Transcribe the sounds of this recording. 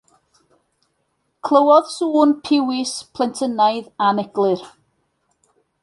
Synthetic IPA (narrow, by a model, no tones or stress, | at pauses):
kʰlˠəwɔð̥suːnpʰɪwɪspʰlˠɛntʰənajðanɛɡlˠɨr